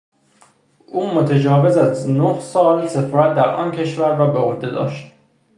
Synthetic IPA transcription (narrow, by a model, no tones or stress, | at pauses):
ʔuːmot̪ʰed͡ʒɒːve̞zæznohsɒːlse̞fɒːɾæt̪̚d̪æɾʔɒ̰ːncʰe̞ʃvæɾvæbeod̪e̞d̪ɒ̰ːʃt̪̚